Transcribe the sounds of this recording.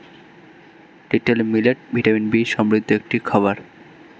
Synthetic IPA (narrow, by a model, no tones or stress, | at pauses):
ɖ̥iʈelmileʈ̚bʱiʈaminbiʃɔmɾud̪ʱːoek̚ʈikʰʌβaɾ